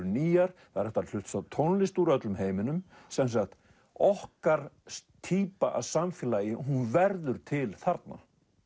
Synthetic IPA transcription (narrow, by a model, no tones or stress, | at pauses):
ʏniːjaɾθaɾɛht̪aɾl̥ʏht̪sawt̪ʰownlɪst̪uɾœt̪lʏmɦeːjmɪnʏm | sɛns̬akt̪ | ɔhkaɾst̪ʰiːpaʔa̰ðsamfjɪlaːjɪɦunvɛɾðʏɾt̪ʰɪlθaɾt̪̚na̰